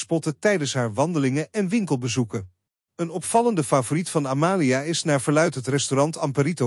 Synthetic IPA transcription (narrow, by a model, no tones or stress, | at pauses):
spɔtətɛjdənsɦaːɹʋɑndəlɪŋəɛnʋɪŋkəlˠbəzukə | ənɔpfɑləndəfaːvoritfɑnamaːliaːɪsnaːɹvəɹlœɥtɦətrɛstorɑntɑmpaɾito